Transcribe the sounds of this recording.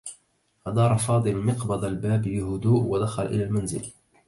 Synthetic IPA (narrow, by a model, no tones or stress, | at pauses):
ʔɑd̪ˤɑːɾˤɑfɑːd̪ˤɨlmɪqbɑd̪ˤalbaːbiɦʊd̪uːʔwad̪axalʔɪ̰laːlmanzɪ̰l